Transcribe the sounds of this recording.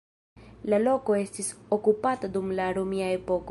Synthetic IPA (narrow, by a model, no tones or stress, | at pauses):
lalo̞ko̞e̞stisokupatadumlaɾomiae̞po̞ko